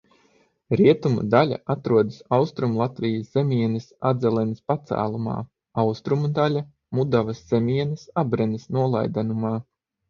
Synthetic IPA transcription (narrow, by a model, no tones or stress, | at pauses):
ɾiɛt̪umṵd̪alʲa̰ʔat̪ɾuɔd̪ɨsawst̪ɾumlˠat̪vijəsz̥emiɛnisa̰d̪zɛlˠɛnispat̪sæ̰ːlˠuma̰ː | awst̪ɾumud̪alʲa | mud̪avɐsz̥emʲiɛnisabɾɛnisnuɔlˠa̰jd̪anumaː